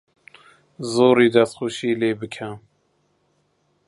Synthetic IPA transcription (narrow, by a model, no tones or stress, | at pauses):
zoːɾiːd̪ɛst̪xuʃiːleːbɨkʰɛ